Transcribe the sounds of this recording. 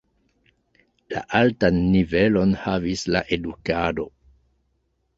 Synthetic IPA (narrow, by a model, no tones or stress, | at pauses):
la̰ʔaltanːive̞lo̞nhavislaʔe̞dukado̞